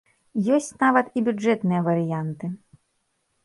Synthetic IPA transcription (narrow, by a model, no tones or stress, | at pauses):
jɔsʲt͡sʲnavɐt̪ibʲud͡ʐɛt̪nɨjɐvɐɾɨjant̪ɨ